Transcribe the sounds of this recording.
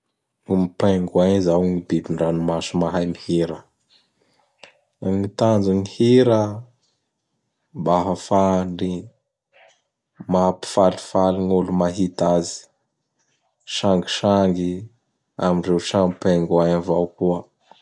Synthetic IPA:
umipaŋɡuaɲizawŋibibiɳɖ͡ʐanumasumaɦajmihiɾə | nit̪and͡zuŋihiɾə | mbaɦəfaɳɖ͡ʐi | mapi̥falifaliŋulumaɦit̪azi̥ | ʃaŋɡiʃaŋɡi | aminrewʃaŋipaŋɡaɲavawkuə

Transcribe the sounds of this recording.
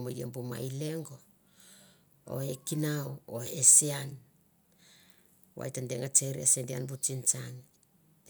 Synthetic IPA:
majḛmbuma̰ile̞ŋɡo̞ | o̰ekinaooesean | wa̰jtandeŋat͡ʃeɾiasendia̰nbut͡ʃint͡ʃan

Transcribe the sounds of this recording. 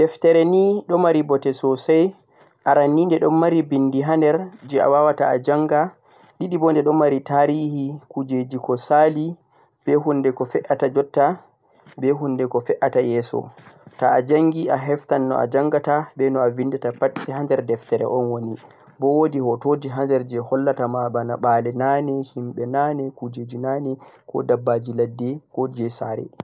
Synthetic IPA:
d̥ɛftɛɾɛniɗɔmaɾibɔtɛsɔsaj | ʔaɾanːiːndɛɗɔmːaɾibindiɦandɛɾd͡ʒɛa̰wawataad͡ʒaŋɡa | ɗiɗibɔndɛɗɔmːaɾitaɾihikud͡ʒed͡ʒikɔsali | b̥ɛɦundɛkɔfɛʔatad͡ʒɔtːa | bɛɦundɛkɔfɛʔatajɛːsɔ̰taːd͡ʒaŋɡiaɦɛftanːɔ̰a̰d͡ʒaŋɡatabɛnɔavindɛtapati̥sɛɦandɛɾdɛftɛɾɛ̰ʔɔnwoni | bɔwodihɔtoːd͡ʒiɦand͡ʒɛɾd͡ʒɛhɔlːatamabana̰ɓaːlɛnanɛhimɓɛnanɛkud͡ʒed͡ʒinanɛkɔ̰dabːad͡ʒiladːɛkɔd͡ʒɛsa̰ɾɛ̰

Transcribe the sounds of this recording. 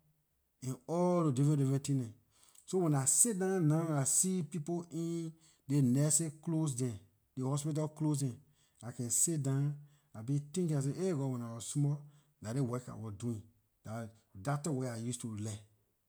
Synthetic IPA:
ɛ̃nɔodivɛ̃divɛ̃tĩnɛ̃ | sowɛ̃nasidãnaasipipoʔĩn | denɛseklos̬dɛ̃ | dehɔspit̬aklos̬dɛ̃n | akɛ̃nsidãn | abitĩŋkĩas̬ẽʔeɡɔwɛ̃nawɔsmɔ | nadewɛka̰wɔduĩn | da | datɔweajustulɛ

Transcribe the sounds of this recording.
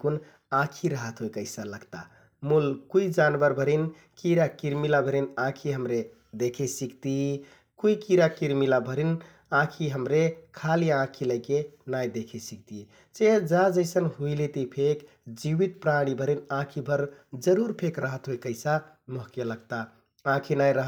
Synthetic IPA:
kun | ãkʰiɾəɦət̪ɦoekəɪsaləɡt̪a̰ | mulkuid͡ʒanbəɾbʱəɾin | kiɾakiɾmilabʱəɾinãkʰiɦəmɾe | d̪ekʰesikt̪i | kuikiɾakiɾmilabʱəɾin | ãkʰiɦəmɾekʰaliãkʰiləɪkenajd̪ekʰesik̚t̪i | t͡ʃed͡ʒad͡ʒəɪsənɦuilit̪ipʰek | d͡ʒiwit̪̚pɾaɽ̃ibʱəɾinãkʰibʱəɾd͡ʒəɾuɾpʰekɾəɦət̪ɦoekəɪsa | moɦkjələɡt̪a | ãkʰinajɾəɦ

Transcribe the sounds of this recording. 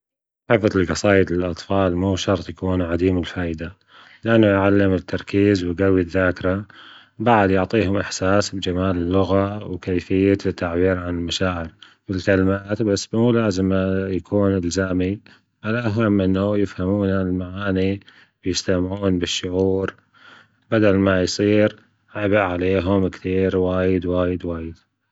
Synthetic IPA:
ħɪfɑtɪlqɑsˤɑːjɪd̪ɪlʔɑt̪ˤfɑːlmuːʃɑɾˤt̪ˤjakuːnʕad̪iːmɪlfaːjd̪a | lɪʔanːʊjʕalːɪmɪt̪ʰːɑɾˤkiːzwɪɡawːiðːaːkɪɾa | baʕad̪jʊʕt̪ˤiːhʊmʔɪħsaːsbd͡ʒamaːlɪlːʊɣawkajfɪjːat̪ʰːaʕbiːɾʕanɪlmaʃaːʕɪɾ | mɪlkalɪmaːt̪basːmulaːzɪmjakʰuːnɪlzaːmi | ʕalʔaɦamːʔɪnːajɪfhamuːnalmaʕaːni | bjɪst̪amʕuːnbɪʃːʊʕuːɾ | bad̪almajsˤiːɾ | ʕabɪʔʕaleːɦʊmkθiːɾwaːjɪd̪waːjɪd̪waːjɪd̪̥

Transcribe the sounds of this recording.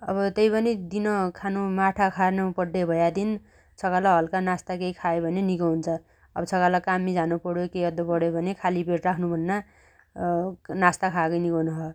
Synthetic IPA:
ʌ̰bʌt̪ʌjpʌnid̪inʌkʰanumaʈʰakʰanopʌɖebʱʌjad̪in | t͡sʰʌkalaɦʌlkanast̪akejkʰajobʱʌnenikʌɦunt͡sʰʌ | ʌbʌt͡sʰʌkalakamːid͡zanupʌɽjokejʌd̪opʌɽjobʱʌnekʰalibeʈrakʰnubʱʌnːa | nast̪akʰakʌjnikʌnʌɦʌ

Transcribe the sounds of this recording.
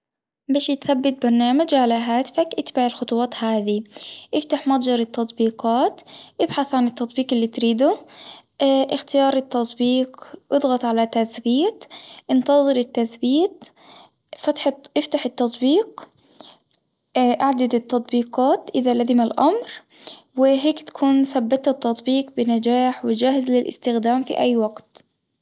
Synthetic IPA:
baːʃit̪θabːɪt̪̚bɑɾˤnaːmad͡ʒʕalaɦaːt̪ɪ̥fakʔɪt̪baʕɪlxʊt̪ˤwɑːt̪haːðiʔɪft̪aħmɑt̪ˤd͡ʒɑɾˤɪt̪ːɑt̪ˤbiːqɑːt̪ʔɪbħaθʕanɪt̪ːɑt̪ˤbiːqɪlːit̪ɾiːd̪ʊ | ʔɪxt̪ɪjɑːɾˤɪt̪ːɑt̪ˤbiːqʔɨd̪ˤɣɑt̪ˤʕalat̪aθbiːt̪ʔɪnt̪ɑðˤɨɾɪt̪ːaθbiːt̪ | fat̪ħʔɪft̪aħɪt̪ːɑt̪ˤbiːq | ʔaʕd̪ad̪ɪt̪ːɑt̪ˤbiːqɑːt̪ʔɪðalazɪmalʔa̰mɾ | wɪɦeːkt̪ḁkʰuːnθabːɪt̪ɪt̪ːɑt̪ˤbiːqbɪnad͡ʒaːħwɪd͡ʒaːhɪzlɪlʔɪ̰st̪ɪxd̪aːmfḭʔajːwaɡt̪

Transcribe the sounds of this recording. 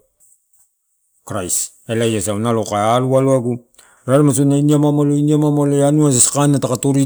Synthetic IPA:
kɾajs | elajasawnalokaealualuaɡu | ɾaɾemas̬unainiamamoloiniamamoleanuas̬askanatakatoɾi

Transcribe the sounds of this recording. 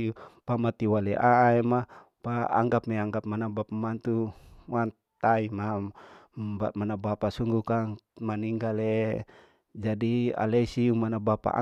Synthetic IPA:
pamat̪iwalɛʔaɛma | paa̰ŋɡap̚mɛaŋɡap̚manabapamant̪uwan | t̪aimambamanabapasuŋɡukaŋ | maniŋɡale | d͡ʒadia̰lesiumanabapa̰ʔa̰

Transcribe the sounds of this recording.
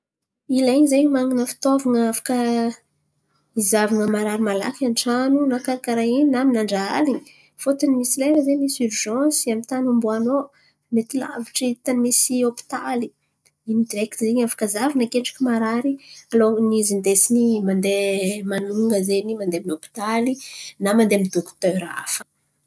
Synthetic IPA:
ilaiɲizejmaŋinəfi̥t̪ovaŋəafḁkə | izavaŋəmaɾaɾimala̰kanʈ͡ʂanunakaɾakaɾaininaminaɳɖ͡ʐaa̰liɲi̥ | fot̪animisileɾəzemisuɾʒɑ̃samint̪anumbuano | met̪ila̰viʈ͡ʂit̪animisiopi̥t̪ali | inid̪ɾekt̪izeɲafḁkazavinakeɳʈ͡ʂḁkimaɾaɾialonizind̪esinimand̪emanuŋɡəzenimand̪eminopi̥t̪alinamand̪emid̪okt̪øɾa̰fə̥

